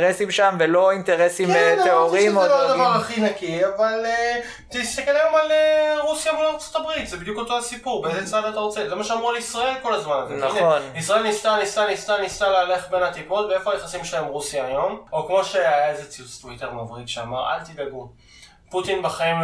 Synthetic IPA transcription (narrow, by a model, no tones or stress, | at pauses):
ʁesimʃamvelo̞int̪eʁesimeoʁimad̪avaʁaχinakiavale | t̪ist̪akelajo̞maleʁusjabeloʁt͡so̥t̪abʁit̪zebid̪juko̞t̪o̞asipuʁbeezet͡savat̪aʁot͡sezemaʃeamʁuleisʁae̞lko̞lazmanazenannisʁae̞lnist̪anistanist̪anist̪aleale̞χbe̞nhat̪ipo̞tbeefo̞hajaχasimʃelaemʁusjaːjo̞mokmo̞ʃeajaaezet͡siust̪uit̪eʁmavʁit̪ʃeamaʁa̰lt̪idaɡu | put̪inbaχaim